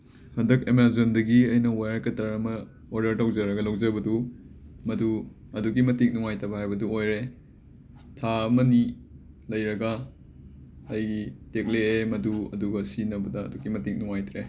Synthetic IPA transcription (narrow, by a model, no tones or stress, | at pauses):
hɐndɐkemaɾzondɐɡiɐjnɐwajaɾkɐtɐɾɐmɐ | oɾdɐɾtawd͡ʒɐɾɐɡɐlɐwd͡ʒɐbɐdumɐdu | ɐdukimɐtik̚nuŋajtɐbɐhajbɐduojɾe | tʰaɐmɐni | lɐjɾɐɡɐ | jɡitek̚leemɐduɐ̰duɡɐsinɐbɐdɐ̰ːdukimɐtik̚nuŋajtʰɾe